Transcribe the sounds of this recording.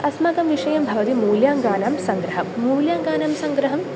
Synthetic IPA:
ɐsmaɡɐmʋiʂɐjɐmbʱɐʋɐt̪imuːljaːŋɡaːnaːmsɐŋɡɾɐɦɐmːuːljaːŋɡaːnaːmsɐŋɡɾɐɦɐm

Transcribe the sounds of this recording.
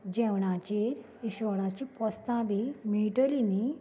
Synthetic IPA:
d͡ʑɛʋɳ̃at͡ɕeɾ | iɕʋəɽ̃ãt͡ɕipɔst̪ãbimiʈəlini

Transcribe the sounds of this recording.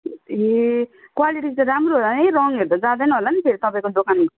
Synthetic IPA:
ekwaliʈid͡zãɾamɾoɦolanejɾʌŋɦeɾd̪ʌd͡zãd̪enaɦolanipʰeɾit̪ʌpaĩkod̪okanɡ

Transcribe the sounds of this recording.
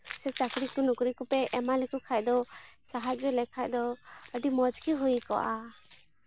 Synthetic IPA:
sɛt͡ʃakɾikunukɾikupɛʔɛmalɛkukʰaʔd̪ɔsaɦat͡ʃd͡ʒɔlɛkʰaʔd̪ɔəɖimɔd͡ʒkiɦujkɔ̰ʔa

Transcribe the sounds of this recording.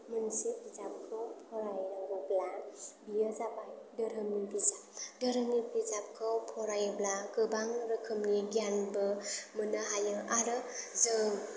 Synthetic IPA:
mɯnsibizap̚kʰɯwpʰɔɾajɾaŋɾɔblabijəzabajdəɾɯmnibizap̚dəɾɯmnibizap̚kʰɯwpʰɔɾajɯblaɡɯbaŋɾɯkʰɯmniɡijanbɯmɯnaɦajɯaɾɯzɯŋ

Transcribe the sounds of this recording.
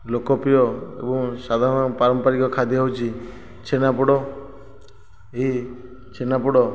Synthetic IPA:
lokɔpijɔḛbɔŋsad̪ʱaɾɔnɔpaɾɔmpaɾikɔkʰad̪ʱjiɦowt͡ʃʰi | t͡ʃʰenapɔɽɔ | ei | t͡ʃʰenapɔɽɔ

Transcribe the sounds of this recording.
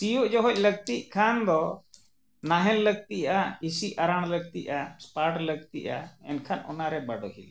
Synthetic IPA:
sijuʔd͡ʒɔɦɔc̚ləɡ̚t̪iʔkʰand̪ɔ | naɦɛnləɡ̚t̪iʔaisiaɾaɽ̃ləɡ̚t̪ḭʔaspaʈləɡ̚t̪ḭʔa̰ɛ̰nkʰanɔ̰naɾɛbaɖɔɦḭl

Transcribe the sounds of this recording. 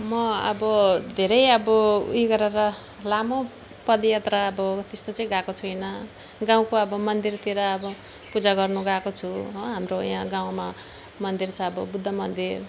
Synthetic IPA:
mʌʌ̰bʌd̪ʱeɾʌjʌbʌṵjɡʌɾeɾʌ | lamo | pʌd̪jʌt̪raːbʌt̪est̪ot͡sʌĩɡakot͡sʰuʌjnʌ | ɡãw̃koʌbʌmʌnd̪irt̪iɾʌːbʌ | pud͡zaɡʌrnuɡakot͡sʰuɦɦamrojãɡaw̃ma | mʌnd̪irt͡sʰʌːbʌbud̪ʱːʌmʌnd̪ir

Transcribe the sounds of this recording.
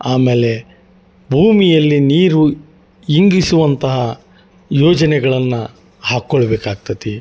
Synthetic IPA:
aːme̞ːle̞ | bʱuːmijɐlːiniːɾu | iŋɡisuʋɐnt̪ɐɦɐ | joːd͡ʒɐnɛɡɐɭɐnːɐ | haːkːoɭɐbeːkaːɡ̚t̪ɐt̪i

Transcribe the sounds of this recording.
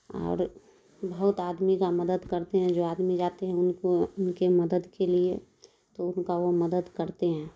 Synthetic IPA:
ɔ̰ːɾ | bɐɦʊt̪aːd̪mikamɐd̪əd̪kɐɾt̪eɦɛ̃d͡ʒoːaːd̪mid͡ʒaːt̪eɦɛ̃ʊnoʊnkemɐd̪əd̪kelie | t̪oʊnkaʋomɐd̪əd̪kɐɾt̪eɦɛ̃ː

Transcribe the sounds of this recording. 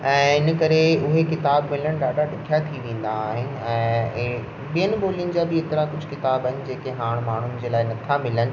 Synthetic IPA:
ɛ̃ːɪnə̆kɐɾeʊɦekɪt̪aːbmɪləɽ̃ɗaːɗaɗɪkʰijat̪ʰiʋẽːn̆d̪aːɦɪnɪɛ̃ː | ɓijənɪ̆ɓoːlijənɪ̆d͡ʑaːbɪet̪ɪɾakʊd͡ʑʱkɪt̪aːbəɦɪnɪ̆d͡ʑeːkeɦaːɽ̃maːɳ̤ʊnɪd͡ʑeːlaːɪnɐt̪ʰamɪlənɪ̆

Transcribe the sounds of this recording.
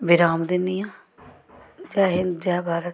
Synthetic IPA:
bɪɾaːmd̪ɪnːɪjãː | d͡ʒaːɦɪnd͡ʒɛːbʱaːɾə

